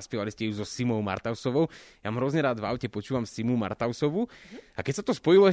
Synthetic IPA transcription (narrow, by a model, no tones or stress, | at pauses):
spɪɛʋaliscɛjuzɔsimɔʊma̰ɾt̪aʊsɔʋɔʊjamɦɾɔzɲɛɾaːd̪ʋa̰ʊcɛpɔt͡ʃuːʋamsimuma̰ɾt̪aʊsɔʋuakɛcsat̪ɔspɔilɔɛ